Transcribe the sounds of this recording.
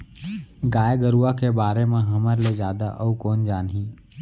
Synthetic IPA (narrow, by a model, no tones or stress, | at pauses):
ɡaːjɡəɾuakebaːɾemẽɦɐməɾled͡ʒjaːd̪a̰ʔəukɔːnd͡ʒaːnɦĩː